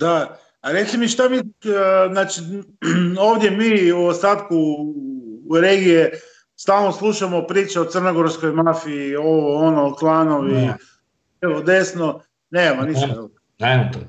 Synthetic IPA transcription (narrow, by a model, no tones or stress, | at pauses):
d̪a | aɾe̞t̪imiʃt̪amiznaːt͡ʃi | oːʋd̪je̞miːuost̪aːt̪ku | ɾeɡije | st̪aːlˠnoslˠuʃamopɾiːt͡ʃeot̪sər̩noɡo̞ɾskojmafiioʋoonoklˠanoʋi | eʋod̪e̞sno | neːmamonisst̪ael | namot̪o